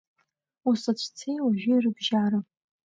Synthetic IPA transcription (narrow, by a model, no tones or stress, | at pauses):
usat͡ɕʷʰt͡sʰejaʒᶣʷirɨbʒaːɾa